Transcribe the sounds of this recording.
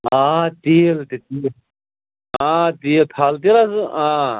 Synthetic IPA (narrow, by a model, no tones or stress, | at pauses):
aːt̪ilt̪et̪i | ãːt̪iːlt̪ʰaːlt̪̬iɾasɨãː